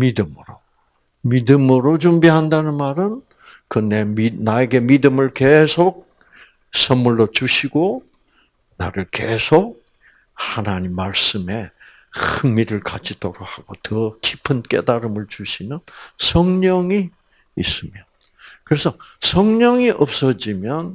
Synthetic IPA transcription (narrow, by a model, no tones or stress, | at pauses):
midɯmɯɾo | midɯmɯɾot͡ɕumbiɦandanɯnmaɾɯn | kɯnde̞minaeɡe̞midɯmɯɭke̞sʰok̚ | sʰʌŋmuɭːʌt͡ɕuɕʰiɡo | naɾɯɭke̞sʰok̚ | hanaɲimːaɭs͈ɯme̞ | ɯŋmiɾɯɭkad͡ʑʰitoɾohaɡ̥otʌkipʰɯnk͈e̞̰daɾɯmɯɭt͡ɕuɕʰinɯnsʰʌŋɲʌŋiː | s͈ɯmjʌn | kɯɾe̞sʰʌsʰʌŋɲʌŋiʔʌp̚s͈ʌd͡ʑimjʌn